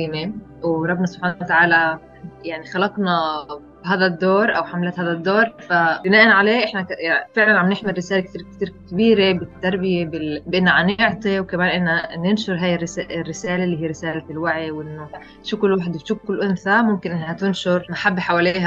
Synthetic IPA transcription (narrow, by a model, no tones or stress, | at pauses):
iːmewɾˤɑbːnɑsˤʊb̥ħaːnt̪aʕaːla | jaʕnixɑlɑqnɑ | bɦaːðad̪ːoːɾˤʔawħamlaːt̪haːðad̪ːoːɾˤfabɪnaːʔanʕaleːʔɪħnakfɪʕlanʕamnɪħmɪrːɪsaːlekt̪iːɾk̚t̪iːɾkɪbiːɾebɪt̪ːɑɾˤbɪjebɪlbʔɪnːʕanɪʕt̪ˤiwkamaːnʔɪnːanɪnʃʊɾˤɦaːjɪrsaʔrːɪsaːlelːiːɦiːɾɪsaːlalwaʕiwʔɪnːo | ʃukʊlwaħd̪bʃʊkːʊlʔʊnθamʊmkɪnʔɪnːhat̪ɪnʃʊɾmaħabːħawaleːha